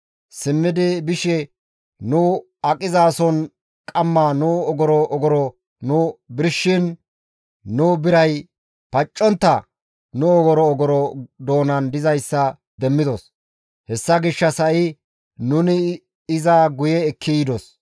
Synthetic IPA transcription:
sɪmːɪd̪ɪbɪʃɛ | nʊ | ɐkʼɪzaːsɔn | kʼɐmːaːnʊɔɡɔɾɔʔɔɡɔɾɔ | nʊbɪɾʃːɪn | nʊbɪɾɐj | pɐt͡ʃʼːɔnt̪ːɐ | nʊɔɡɔɾɔːɡɔɾɔd̪o̞ːnɐnd̪ɪzɐjsːɐ | d̪ɛmːɪd̪ɔs | hɛsːɐɡɪʃːɐsɐʔɪ | nʊnɪ | ɪzaɡʊjɛːkʰːɪd̪ɔs

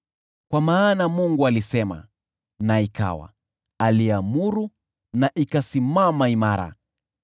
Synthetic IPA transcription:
kwamaːnamuŋɡualisɛma̰ | naika̰wa̰ | aliamuɾu | naʔikasimamaimaɾa̰

